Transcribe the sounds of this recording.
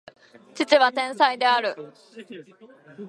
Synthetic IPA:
t͡ɕit͡ɕiβat̪ẽ̞ɰ̃said̪e̞aɾɯ̟

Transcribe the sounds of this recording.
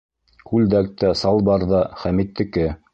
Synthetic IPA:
kʉld̪æk̚t̪æsɑlˠbɑɾðɑχæmit̪ːɘ̆kɘ

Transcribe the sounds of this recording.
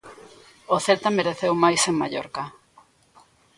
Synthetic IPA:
oθelt̪ameɾeθewmajseŋmaʎo̰ɾka

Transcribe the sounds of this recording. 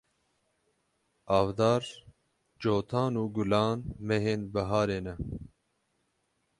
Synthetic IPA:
ɑːvd̪ɑːɾ | d͡ʒoːt̪ʰɑːnuːɡulɑːnmɛɦeːnbɐɦɑːɾeːnɛ

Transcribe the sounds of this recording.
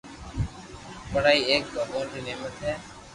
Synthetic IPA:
pəɽaːiːeːk̚bʱəɦoːnt̪iːneːmət̪ɦɛː

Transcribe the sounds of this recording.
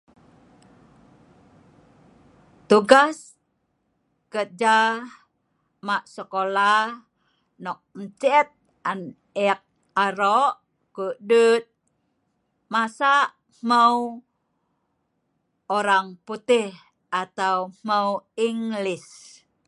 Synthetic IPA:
t̪uɡas | kət̪̚d͡ʒa | maʔsəkola | nɔk̚mət͡ʃɛt̪̚ | an | ɛk̚ | aɾɔʔ | kuʔdut̪̚ | masaʔ | m̥əw | oɾaŋput̪ih | ʔat̪aum̥əwiŋlis

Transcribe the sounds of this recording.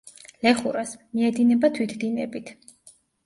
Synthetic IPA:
lɛχuɾasmiɛd̪inɛbat̪ʰwit̪ʰd̪inɛbit̪ʰ

